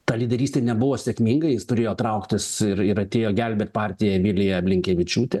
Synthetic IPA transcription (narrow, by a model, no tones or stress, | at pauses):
t̪ɑːlʲid̪ʲɛɾʲiːsʲt̪ʲeɛnʲɛbʊʋoːsʲɛkmʲiːŋɡɐjɪst̪ʊɾʲeːjoːt̪ɾɐʊkt̪ʲɪsɪɾɪɾɐt̪ʲeːjoːɡʲɛlʲbʲeːt̪ʲpɑːɾʲt̪ʲɪjɛʋʲɪlʲɪjɛɐbʲlʲɪŋʲkʲɛʋʲɪt͡ʃʲuːt̪ʲɛ